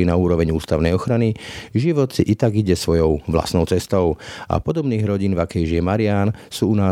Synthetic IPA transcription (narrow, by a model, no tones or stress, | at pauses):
inauːɾɔʋɛɲuːst̪aʊnɛjɔxɾaniʒiʋɔt̪siʔit̪aɡiɟɛsʋɔjɔʊʋla̰snɔʊt͡sɛst̪ɔʊa̰pɔd̪ɔbniːɣɾɔɟiːnvakɛjʒiɛmaɾɪaːnsuːunaː